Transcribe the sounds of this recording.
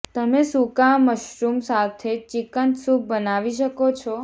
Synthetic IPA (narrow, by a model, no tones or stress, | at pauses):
t̪əmesukaməʃɾumsat̪ʰet͡ʃikənsuk̚bənaʋiʃəkot͡ʃʰɔ